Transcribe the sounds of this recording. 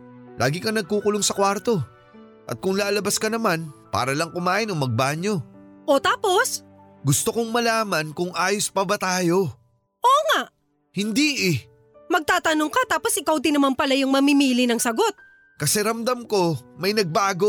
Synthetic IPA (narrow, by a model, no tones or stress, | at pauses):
lʔa̰ːɡɪkɐnɐɡ̚kuːkʊloŋsɐkwaɾt̪o̞ | ʔɐ̰t̪̚kʊŋlaːlɐbaskɐnɐmanpa̰ːɾɐlɐŋkʊmaːʔɪnoŋmɐɡ̚baːɲo̞ʔot̪aːpo̞s | ɡʊst̪okoŋmɐlaːmɐnkʊŋʔaːjospɐbɐt̪aːjo̞ | ʔoːŋaʔ | hɪnd̪iʔɪ | mɐɡ̚t̪aːt̪ɐnoŋkɐt̪aːpo̞sʔɪkawd̪inɐmanpɐlajʊŋmɐmimiːlɪnɐŋsɐɡo̞t̪̚ | kɐsɛɾɐmd̪ɐmko̞mɐjnɐɡ̚baːɡo̞